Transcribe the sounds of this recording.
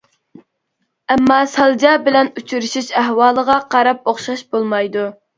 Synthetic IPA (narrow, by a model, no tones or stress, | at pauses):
ɛmːɑːsɑlˠd͡ʒɑːbɪlɛnut͡ʃʰyɾɪʃiʃæɦwɑːlˠəʁɑqʰɑɾɑp̚oχʃɑʃbolˠmɑjd̪u